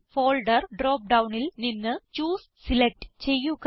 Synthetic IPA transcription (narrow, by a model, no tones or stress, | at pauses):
foːlɖɐrɖroːp̚ɖɐwɳilninːɨt͡ɕuːs | silek̚ʈɨ̥t͡ɕe̞jːuk